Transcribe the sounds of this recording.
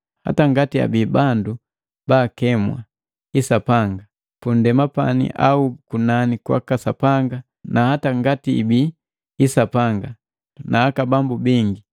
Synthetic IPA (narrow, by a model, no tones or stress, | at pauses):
ha̰taŋɡatia̰biːbandu | baːkɛmwa̰ | isapaŋɡa | pundɛmapa̰nḭʔa̰ukunanikwa̰kasapaŋɡa | nahataŋɡatiḭbiː | sapaŋɡa | nʔaːkabambubiŋɡi